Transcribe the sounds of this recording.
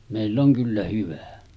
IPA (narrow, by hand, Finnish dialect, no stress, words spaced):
meˑilː oŋ kylːæ hyʋæ